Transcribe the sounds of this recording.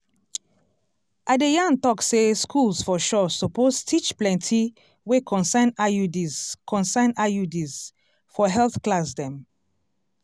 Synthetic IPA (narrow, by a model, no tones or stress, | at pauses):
ʔadejãntɔkseskʰulsfɔʃɔsɔpostʰit͡ʃplɛ̃ntʰi | wekʰɔ̃nsãnajudizkʰɔ̃nsãnajudiz | fɔɦɛlθklasdɛ̃m